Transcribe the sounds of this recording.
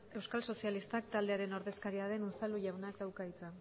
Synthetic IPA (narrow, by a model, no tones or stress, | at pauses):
e̞wskalso̞sialist̪akt̪ald̪e̞aɾe̞noɾðe̞skaɾiaðe̞nunt͡saluʝawnakd̪awkait͡sa